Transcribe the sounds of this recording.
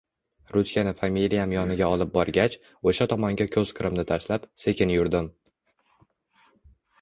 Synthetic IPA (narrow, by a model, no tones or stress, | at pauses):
ɾʊt͡ʃkʲanɪfamilijamjɒnɪɡʲaɒlˠɪp̚bɒɾɡʲat͡ʃ | oʃat̪ʰɒmɒŋɡʲakʲʰɵz̥kʰɨɾɪmnɪt̪ʰaʃlapse̞kʲɪnjʊɾd̪ɪm